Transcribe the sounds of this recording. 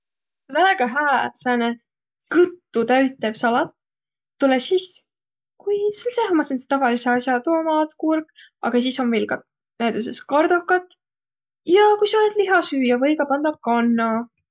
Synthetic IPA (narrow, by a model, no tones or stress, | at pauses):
væːɡ̥ɑɦæːsæne | kɯt̪ːut̪æɥt̪ːˑeb̥sɑlɑt̪ː | ulesis | kujselsehmɑsenst̪ɑvɑliseɑsjɑt̪oːmɑːt̪kurɡ | ɑ̰ɡ̥ɑs̬iso̞nvelɡɑ | næjd̪us̬eskɑrd̪̥okːˑɑt̪ːˑ | jɑkujsɑoled̪liɦɑsyːjɑvɤjɡɑpɑnd̪ɑkɑnːɑ